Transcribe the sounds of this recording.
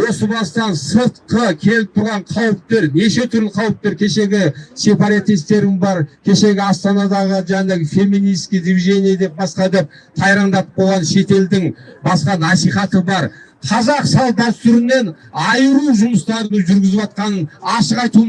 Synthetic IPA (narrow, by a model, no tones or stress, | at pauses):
wo̞səbɑst̪ɑnsəɾt̪qəkʲʰe̞lɪp̚t̪ʰʊɾʁɑɴqʰɑwəp̚t̪e̞ɾne̞ʃe̞t̪ʰʏɾlɪqʰɑwəp̚t̪e̞ɾkʲʰe̞ʃe̞ɡʲɪse̞pɑɾat̪ist̪e̞ɾɪŋbɑɾkʲʰe̞ʃe̞ɡʲɪɑst̪ɑnɑd̪ɑʁəʒænefe̞mːinijskʲijd̪ivʲiɡe̞nʲijad̪e̞p̚bɑsqɑd̪ep̚t̪ʰɑjɾɑmd̪ɑt̪ə̥olˠʁɑnʃe̞t̪e̞ld̪ɪŋbɑsqɑnɑsijχɑt̪əbɑɾ | qʰɑzɑqsɑlˠb̪ɑt̪ʰʏɾɪnːe̞nɑjəɾuʒʊməst̪ɑɾənəʒʏɾɡʲɪzɪpɑt̪̚qɑnənɑʃəqɑjt̪u